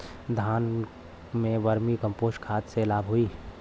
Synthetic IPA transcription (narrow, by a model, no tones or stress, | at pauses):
d̪ʱaːn | mẽʋəɾmikə̃mpoːsʈkʰaːt̪selaːbɦoiː